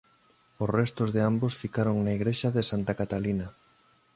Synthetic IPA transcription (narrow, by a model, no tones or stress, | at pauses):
osrɛst̪ozðeambosfikaɾoŋnaiɣɾeʃaðɪsant̪akat̪alinɐ